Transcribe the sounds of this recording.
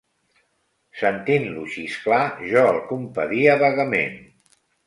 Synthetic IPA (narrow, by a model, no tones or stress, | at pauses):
sənt̪inluʃisklaʒɔəlˠkumpəðiəβəɣəmḛn